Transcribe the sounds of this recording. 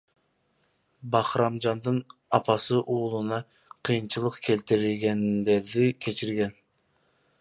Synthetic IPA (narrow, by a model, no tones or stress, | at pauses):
bɑχɾɑmd͡ʒɑnd̪ɯnɑpʰɑsɯʔuːlˠunɑ | qʰɯjɨnt͡ʃʰɯlˠəqkʲʰelt̪ɪɾilɡʲɛnd̪eɾd̪ɪkʲʰet͡ʃʰiɾɡʲɛn